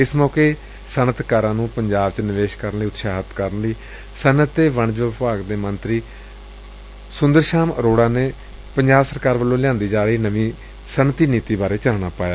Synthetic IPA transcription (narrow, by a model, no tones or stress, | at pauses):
ɪsmɔːkeː | sənət̪kəɾãːnũːpəɲd͡ʒaːbt͡ʃnɪʋeːʃkəɾənliːʊt̪ʃaːɦət̪kəɾənliː | sənət̪ːeːʋəɳd͡ʒʋɪpaːɡd̪eːmənt̪ɾiː | sʊ̃nd̪əɾʃaːmɾoːɽãːneː | pəɲd͡ʒaːbsəɾkaːɾʋəlːõːlɪjãːnd̪iːd͡ʒaːɾəɦiːnəʋĩː | sənət̪iːniːt̪iːbaːɾeːt͡ʃəaːnaːpaːjaː